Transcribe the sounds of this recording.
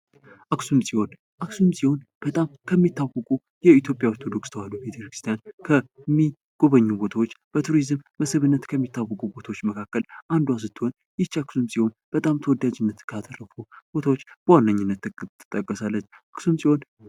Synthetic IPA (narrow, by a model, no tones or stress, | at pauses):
ʔaksumsʼihon | ʔaksumsʼiho̞n | b̥ət̪ʼamkʰəmːit̪ːawəkʼu | jɛit̪jo̞pʼjawt̪ʰod̪o̞kst̪ʰəwalːubet̪ʰəɾkɾɨ̥st̪jankʰəmːi | ɡ̥o̞βəɲːubo̞t̪ʰawot͡ʃːb̥ət̪ʰuɾizɨmːəsɨβɨnːət̪kʰəmːit̪ːawːəkʼubo̞t̪ʰawot͡ʃːməkʰakːəlʔand̪uwas̬ɨt̪ːɨho̞n | jɪt͡ʃːaksumsʼihon | b̥ət̪ʼamt̪ʰəwɔd̪ːad͡ʒɪnːət̪kʰat̪ʼərːəfub̥o̞t̪ʰawot͡ʃːb̥əwanːəɲːɪnːət̪ːɨkʼɨt̪ʰːɨ̥t̪ʼːəkʼːəsalːət͡ʃːʔaksumsʼiho̞n